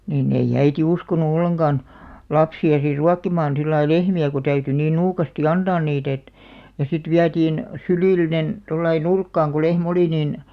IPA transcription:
niːnː eij̆ æiti uskonu olːeŋɡ̊ɑn lɑpsiɑ sir ruɑkːimɑːn silːɑi lehmiæ ku tæyty niːn nuːkɑsti ɑntɑːn niːt et jɑ sit ʋiætiːn syliˑlːinen tolːɑi nurkːɑːŋ ko lehm oli niˑn

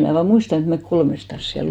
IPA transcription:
mnæˑ ʋɑː muistɑn et mek kolmestɑs siæl

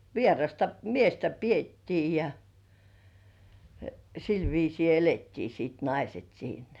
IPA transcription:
ʋierɑstɑ miestæ pietːiː jɑ sil ʋiːsiː eletːiː siːt nɑiset siːnæ̥

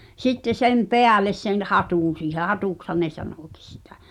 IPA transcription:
sitːe sem peæles sen hɑtuˑn̞ siːhe hɑtuˑkshɑn ne sɑnoˑkis si̥tæ̥

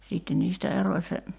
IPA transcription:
siːtːen niːstæ eroĭ se

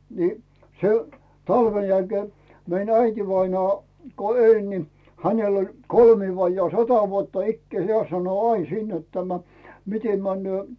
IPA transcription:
ni se tɑlʋen jælkeː mein æitiʋɑinɑː ko elʲ ni hænel olʲ kolmiː ʋɑjːɑː sɑtɑ ʋuotːɑ ikːĕæˑ heæˑ sɑno ɑin siːn net tæmæ mitem mænːy̆øˑ

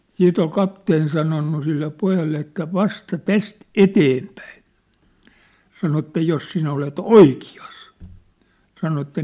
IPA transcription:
siːt ol kɑpteːn sɑnonːu silːe pojɑlːe etːæ ʋɑstɑ tæst eteːmpæin̞ sɑno etːæ jos sinæ olet oikiɑs sɑno etːæ

